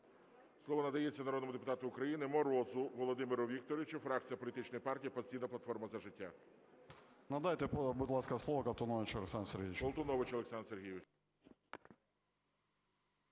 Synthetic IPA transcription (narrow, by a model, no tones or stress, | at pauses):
slˠɔʋɔnɐd̪ɐjɛt͡sʲːɐnɐɾɔd̪nmʊd̪epʊ̥t̪ɑt̪ʊʊkɾɐjinɪmɔɾɔzʊʋɔlˠɔd̪ɪmɪɾʊʋʲik̚t̪ɔɾʲɪɪt͡ʃʊfɾɑk̚t͡sʲijɐpɔlʲit̪ɪt͡ʃnɔjipɑrtʲijipɔsʲtʲijnɐplˠɐt̪fɔrmɐzɐʒɪtʲːa | nɐd̪ajt̪ɛpbʊd̪ʲlˠɑskɐslˠɔʋɐkɐlˠt̪ɔnɔʋɪt͡ʃɔlˠeksɑnserɦʲijɪkɔlˠt̪ɔnɔʋɪt͡ʃɔlˠeksɑnrserɦijʋɪt͡ʃ